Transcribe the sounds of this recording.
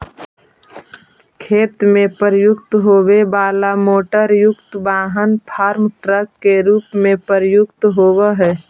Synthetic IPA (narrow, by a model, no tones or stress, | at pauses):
kʰeːt̪mẽpəɾjʊkt̪ɦoːʋebaːlamoːʈəɾjʊkt̪baːɦənpʰaːɾmʈɾəkːeɾuːpmẽpəɾjʊkt̪ɦoːweɦɛː